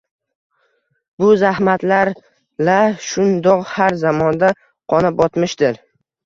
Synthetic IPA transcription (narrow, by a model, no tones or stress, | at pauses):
bʊzahmat̪laɾ | laʃʊnd̪ɒqhaɾzamɒnd̪a | qʰɒnɪpɒt̪mɪʃd̪ɪɾ